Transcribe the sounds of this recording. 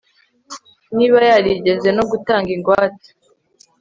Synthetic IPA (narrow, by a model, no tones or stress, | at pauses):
niːβajaɾiɟeze̞no̞ɡutaːŋɡiŋɡwaːt͡si̥